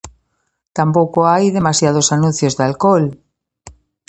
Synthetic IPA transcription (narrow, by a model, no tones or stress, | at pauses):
t̪ampokoajðe̞masjað̞osanũn̟θjozðalkol